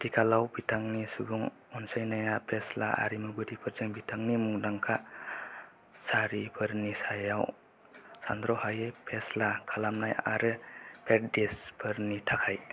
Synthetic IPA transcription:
dikʰalawbitʰaŋnisubuŋ | ɔnsajnajapʰesla̰ʔa̰ɾimuɡɯɾipʰɯɾzɯŋbitʰaŋnimuŋdaŋkʰa | saɾipʰɯɾnisajaw | sa̰nd̪ɾɔhajepʰeslakʰalamnaja̰ɾɯpʰet̚desbʰɯɾnitʰakʰaj

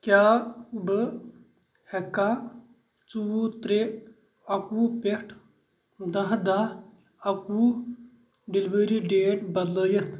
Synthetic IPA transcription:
kjaːubə | hɛka | t͡suwot̪ɾe | ɐkuːpeʈʰ | d̪ɐ̃ɦd̪a | ɐkuː | ɖelʋəːɾiɖeːʈbɐd̪ləːjɐt̪ʰ

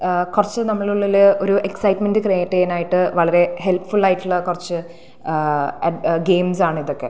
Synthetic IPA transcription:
kurɐt͡ɕːɨnɐmːɐɭuɭːilɨo̞ɾuʔeksɐjʈmendɨkrejiʈːejɐnaːjiʈːɨʋɐɭɐɾe̞he̞lpfuɭaːjiʈːuɭːɐkurɐt͡ɕːɨ | ɐɡe̞ːmsaːɳɨiðokːe̞̰

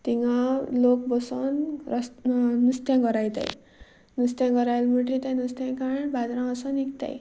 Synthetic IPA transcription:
t̪iŋɡalok̚bɔsɔnɾsnust̪jãɡʌɾajt̪a̰j | nust̪jãɡʌɾajlmuʈɾit̪anust̪jãkaɳbad̪ɾãəsɔnikt̪a̰j

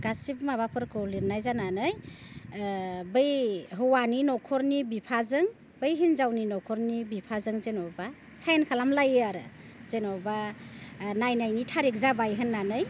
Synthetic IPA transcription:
ɡ̥asip̚maβapʰɯɾkʰɔliɾnajzananɯj | bɯjɦɯwaninɔkʰɔɾnibipʰazɯŋ | b̥ɯjɦinzawninɔkʰɔɾnibipʰazɯŋzenɔba | sajnkʰalamlajɯaɾɯ | z̥enɔba | najnajnitʰaɾik̚zabajɦɯnːanɯj

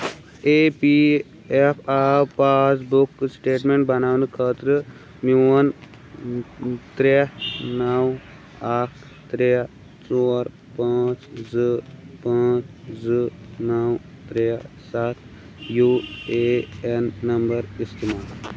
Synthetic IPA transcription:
epi | epʰaːpaːsbukːsʈeːʈmeɳʈ̚bɐnaːʋnɨkʰəːt̪ɾɨ | miwɐn | t̪ɾenɐw | aːkʰ | t̪ɾe | t͡sɔːɾ | pãːt͡ʃzɨpãːt͡ʃzɨ | nɐw | t̪ɾe | sat̪̚ʰ | jueenːɐmbɐɾist̪imaːl

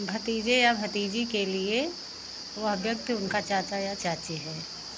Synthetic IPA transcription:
bʱɐt̪iːd͡ʒejabʱɐt̪iːd͡ʒikelie | ʋɐɦəbjək̚t̪ʰʊnkat͡ʃaːt͡ʃajat͡ʃaːt͡ʃeɦɛː

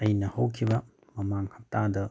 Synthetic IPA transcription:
ɐjnɐhowkʰibɐ | mɐmaŋhɐp̚tadɐ

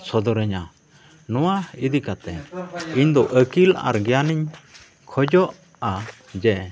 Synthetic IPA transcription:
sɔd̪ɔɾəɲa | nɔwaid̪ikat̪ɛiɲd̪ɔʔəkila̰ɾɡɛjaniɲ | kʰɔd͡ʒɔʔ | a | d͡ʒɛ

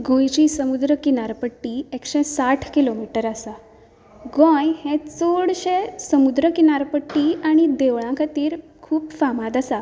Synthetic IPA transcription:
ɡʱõjt͡ɕisəmud̪ɾəkinaɾpəʈːiekɕɛ̃saʈʰkilomiʈəɾasa | ɡɔ̃jhẽt͡soɽɕesəmud̪ɾəkinaɾpəʈːiːaɽ̃id̪eʋɭãkʰat̪iːɾ | kʰuːpfamãd̪asa

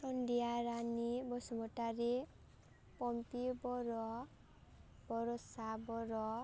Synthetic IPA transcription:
sɔnɖijaɾanibɔsɔmɔʈaɾe | pɔmpibɔɾɔ | b̥ɔɾɔsabɔɾɔ

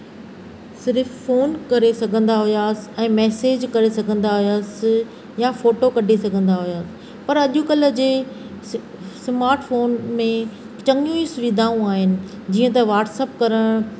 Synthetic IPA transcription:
sɪɾɪffoːnkɐɾesɐɡʱə̃nd̪aɦʊjaːsɪ̥̆ɛ̃ːmɛːseːd͡ʑkɐɾesɐɡʱə̃n̆d̪aɦʊjaːs̆ | jafoːʈokɐɖʱesɐɡʱə̃nd̪aɦʊjaːsɪ̥̆ | pɐɾɐʄũkɐlə̆d͡ʑeː | smaːɾʈfoːnmẽ | t͡ɕɐ̃ŋjũisʊʋiːd̪ʱaːũaːɦɪnɪ̆ | d͡ʑiːə̃t̪ɐʋaːʈsɛːpkɐɾəɽ̃

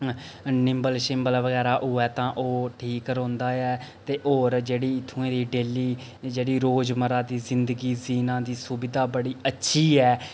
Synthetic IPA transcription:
nɪmbəlʃɪmbəlʋəɡɛːɾaːʔʊːɛːt̪ãːʔoːʈʰiːkɾõːnd̪aːɛːt̪eːʔoːɾd͡ʒeːɽiːɪt̪ʰːũẽːd̪iːɖeːliː | d͡ʒeːɽiːɾoːd͡ʒməɾaːd̪iːzɪnd̪əɡiːziːnãːd̪iːsʊbɪd̪aːbəɽiːətːʃʰiːɛː

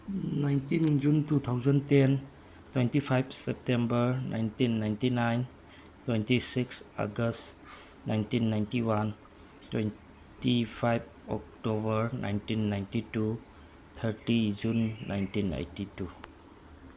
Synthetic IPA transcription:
najntind͡ʒuntut̪ʰawzənten | twentipʰajbʰsep̚tembəɾnʔa̰jntinːajntinajn | twentisiksa̰ɡəst | najntinːajntiwan | twen | tipʰajb̚ɔ̰k̚tobəɾna̰jntinːajntitu | t̪ʰəɾtid͡ʒunːa̰jntinḛjtitu

